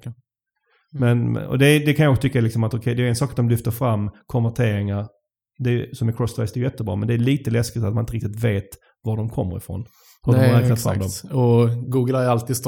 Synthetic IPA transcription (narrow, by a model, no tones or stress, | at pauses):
mɛnm̰ɔ̰d̪ɛd̪ɛkʰanjɑɔksɔt̪ʰʏkːalɪksɔmat̪ɔkʰɛjd̪ɛːjʏɛnsɑːkat̪̚d̪ɔmlʏft̪əɾfɾamːkʰɔnvæʈʰeːɾɪŋaɾ | d̪ɛj̰sɔmæɾkʰɾɔst̪aɪsd̪ɛjʏjɛt̪ːəbɾɑ̰ːmɛnd̪ɛːɭiːt̪əlɛskɪt̪at̪manɪnt̪əɾɪkt̪ɪt̪veːt̪ | vaɖɔmkʰɔmːə̰ɾɪ̰fɾɔ̰n | hɵdɔmhaɾɛːknat̪fɾa̰mːd̪ɔmɔɡuːɡəlææɾalt̪iːd̪st̪